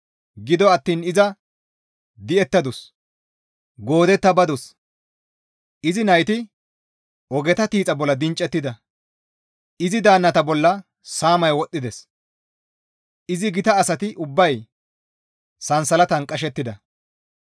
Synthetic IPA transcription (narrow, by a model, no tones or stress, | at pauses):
ɡɪd̪ɔɐt̪ːiːnɪzɐ | d̪ɪɛt̪ːɐd̪ʊs | ɡo̞ːd̪ɛt̪ːɐbɐd̪ʊs | ʔɪzɪnɐjt̪ɪ | ʔɔɡɛt̪ɐt̪iːt͡sʼɐbɔlːɐd̪ɪnt͡ʃʼːɛt̪ːɪd̪ɐ | ɪzɪd̪aːnːɐt̪ɐbɔlːɐ | saːmɐjwɔt̪ʼːɪd̪ɛs | ʔɪzɪɡɪt̪ɐːsɐt̪ɪʔʊbːɐj | sɐnsɐlɐt̪ɐnkʼɐʃ̬ɛt̪ːɪd̪ɐ